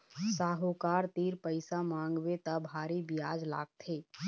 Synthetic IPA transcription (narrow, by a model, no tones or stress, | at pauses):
saːɦokaːɾt̪iːɾpəɪsamãːŋɡʋet̪abʱaːɾibɪjaːd͡ʒla̰ːɡ̚t̪ʰeː